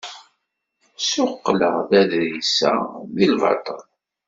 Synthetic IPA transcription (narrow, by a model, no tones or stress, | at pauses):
sʊqːləʁðæðɾisæ̰ðilvɑ̰t̪ˤəl